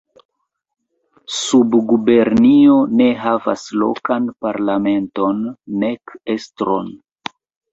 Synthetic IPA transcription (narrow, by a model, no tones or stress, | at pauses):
subɡube̞ɾnio̞ne̞ɦava̰slo̞̰kanpaɾlame̞nto̞nːe̞ke̞stɾo̞̰n